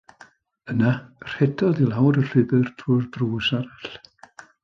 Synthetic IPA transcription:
ənar̥ɛdɔðilˠawɾəɬɪbɨrtʰurbruːsaɾaɬ

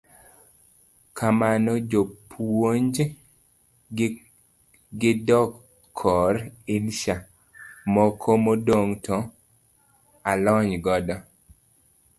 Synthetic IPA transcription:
kʰamanɔd͡ʒopʰwoɲd͡ʒ | ɡɪdɔkʰː | ɔɾɪnʃa | mɔkʰomodoŋtʰɔ | alɔɲɡɔdɔ

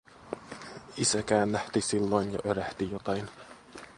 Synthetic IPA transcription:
isækæːnlæht̪isilːojnjɑ̰ʔøɾæht̪ijot̪ɑin

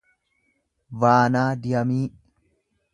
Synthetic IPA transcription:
vaːnaːd̪ɪjɐmiː

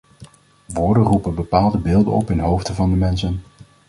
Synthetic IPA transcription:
ʋʊːɹdərupənbəpaːlˠdəbɪːlˠdə̰nɔ̰pɪnɦowftəvɑndəmɛnsən

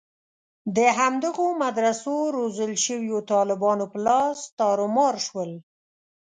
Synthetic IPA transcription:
d̪əɦamd̪əɣomad̪ɾasoɾozəlʃəwjot̪ɑlɪbɑnopəlɑst̪ɑɾʊmɑɾʃwəl

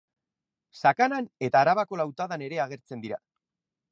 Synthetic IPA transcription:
sakanane̞t̪aːɾaβako̞lawt̪aðane̞ɾe̞aɣ̞e̞ɾt͡se̞nd̪iɾa

